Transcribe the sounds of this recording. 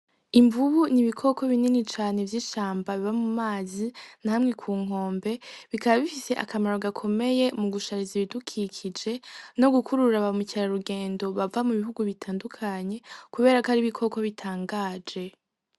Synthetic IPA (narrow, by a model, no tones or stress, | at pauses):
iɱvuβuniβikʰo̞kʰo̞βininit͡ʃaːne̞vjiːʃaːmbaβiβamumaːzinaːmŋe̞kʰuːŋ̥ɦo̞ːmbe̞βikaβaβifise̞ʔakamaɾo̞ɡakʰo̞me̞je̞muɡuʃaɾiziβidukʰikʰid͡ʒe̞no̞ɡukuɾuɾaβamuciɾaɾuɡe̞ːndo̞βavamuβiɦuɡuβitʰaːndukʰaɲe̞kuβe̞ːɾakaɾiβikʰo̞ko̞βitʰaːŋɡaːd͡ʒe̞